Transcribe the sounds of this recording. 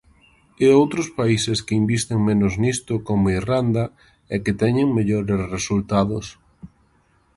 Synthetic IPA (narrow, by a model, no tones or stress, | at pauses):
eowt̪ɾospaiseskɪimbist̪eŋmẽnoznist̪ʊkomoirand̪ɐ | ɛkɪt̪ɛɲeŋmeʎoɾesresult̪aðʊs